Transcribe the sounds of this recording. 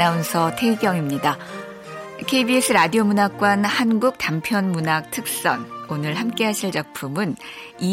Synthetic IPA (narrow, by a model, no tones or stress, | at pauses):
aunsʰʌtʰe̞iɡjʌŋimɲida | kʰe̞ibies͈ʰɯɾadiomunak̚k͈wanhanɡuk̚tampʰjʌnmunak̚tʰɯk̚s͈ʌ̰nonɯɭhamk͈e̞ɦaɕʰiɭt͡ɕak̚pʰumɯn | i